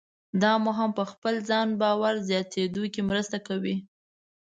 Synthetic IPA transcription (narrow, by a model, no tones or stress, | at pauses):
d̪ɑmoɦampəxpəlzɑnbɑwaɾzjɑt̪ʰed̪ukimɾəst̪akawi